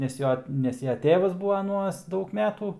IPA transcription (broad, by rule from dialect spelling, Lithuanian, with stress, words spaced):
nʲɛs ˈjoː ˈnʲɛs jɛ ˈtʲeːʋɐs ˈbuːʋɐ ɐˈnuɔs ˈdɐʊk ˈmʲæːtuː